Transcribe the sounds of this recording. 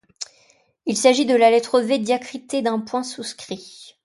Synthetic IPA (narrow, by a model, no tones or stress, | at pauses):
ilsaʒid̪əlalɛt̪χoved̪jakχit̪ed̪ɛ̃pwɛ̃suskχi